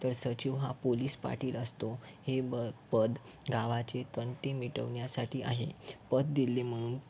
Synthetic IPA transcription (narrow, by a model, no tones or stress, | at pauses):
t̪əɾsəd͡ʑiʋɦa̰poliːspa̰ɾʈiːləst̪o | hebəpəd̪ | ɡaʋat͡set̪əɳʈemiʈəʋɳjasaʈiːʔa̰ɦḛpəd̪d̪ilːem̤əɽ̃uːn